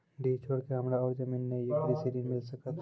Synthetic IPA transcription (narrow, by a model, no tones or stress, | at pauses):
ɖiːt͡ʃʰoːɽkeɦɐmɾaɔːɾd͡ʒɐmiːnːejɐkɾisiɾiːnmɪlsɐkət̪